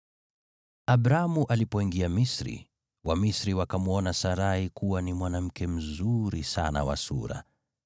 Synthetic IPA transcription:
abɾamuʔalipɔiŋɡiamisɾḭ | wamisɾiwakamuɔnasaɾahikuwanimwanam̩kʰɛm̩zuɾisa̰na̰wa̰sṵɾa̰

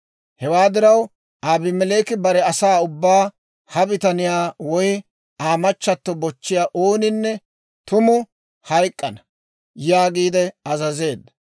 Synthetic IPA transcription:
hɛwaːd̪ɪɾɐw | ʔaːbɪmɛle̞ːkɪbɐɾɛɐsaːʊbːaː | hɐbɪt̪ɐnɪjaːwɔjɪ | aːmɐt͡ʃːɐt̪ːɔbɔt͡ʃːɪjaːʔo̞ːnɪnːɛ | t̪ʊmʊ | hɐjkʼːɐnɐ | jaːɡiːd̪ɛɐzɐze̞ːd̪ːɐ

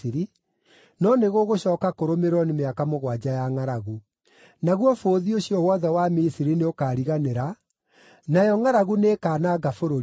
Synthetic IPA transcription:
iɾi | nɔneɣoɣoɕɔːkakoɾomeɾɔnemeakamoɣwad͡ʑajaŋaɾaɣu | naɣwɔfoːðioɕijɔwɔðɛwamisiɾineokaːɾiɣaneɾa | najɔŋaɾaɣuneːkaːnaɡafoɾo

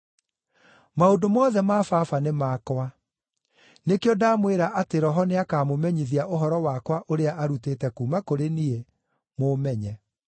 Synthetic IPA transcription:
maodomɔːðɛmafafanemaːkwa | nekeɔdaːmweɾaʔateɾɔɦɔneakaːmomɛɲiðiaʔoɦɔɾɔwakwaʔoɾeaʔaɾutetɛkumakoɾenie | momɛɲɛ

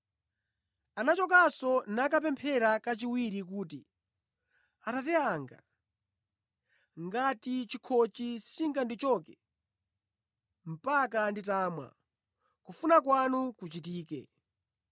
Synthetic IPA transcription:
anat͡ʃɔk̬asɔnakap̬ɛmpʰɛɾakat͡ʃiwiɾik̬uːtḭ | atatɛaŋɡa̰ | ŋɡatit͡ʃikʰɔt͡ʃisi̥t͡ʃiŋɡandit͡ʃɔːkɛ | m̩pakanditaːmwa̰ | kufunakwanukut͡ʃit̬iːkɛ̰

